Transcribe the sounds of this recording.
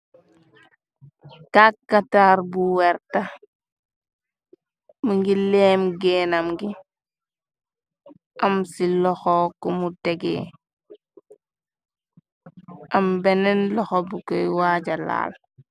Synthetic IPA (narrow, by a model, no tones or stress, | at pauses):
kakːataɾbuwɛɾta | muŋɡileːmɡeːnamɡi | amsilɔxɔkumuteɡḛ | ambenenlɔxɔbukojwaɟala̰ːl